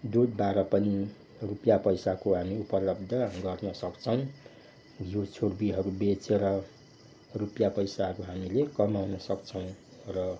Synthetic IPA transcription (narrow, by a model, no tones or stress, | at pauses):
d̪ud̪baɾʌpʌni | rupjapʌjsakoɦamiupʌlʌb̚d̪ʱʌɡʌrnʌsʌkt͡sʰʌw̃ | jot͡sʰorbiɦʌɾubet͡sʰeɾʌ | rupjapʌjsaɦʌɾuɦamilekʌmawnʌsʌkt͡sʰʌw̃rʌ